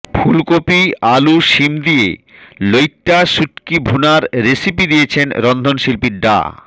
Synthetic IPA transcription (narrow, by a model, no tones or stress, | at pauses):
pʰulkopialuʃimd̪iḛlojʈːaʃuʈkibʱunaɾɾesipid̪ijet͡ɕʰenɾɔnd̪ʱonʃilpiɾɖa̰